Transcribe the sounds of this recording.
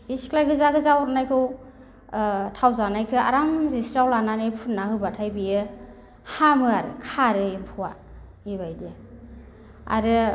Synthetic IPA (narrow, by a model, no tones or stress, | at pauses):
biskʰlajɡɯzaɡɯzawɔɾnajkʰɯw | tʰawzanajkʰɯa̰ɾamzisɾawlananɯjpʰutnːahɯbatʰajbijɯ | hamɯaɾɯkʰaɾɯempʰuwa | iβajdɯ | a̰ɾɯ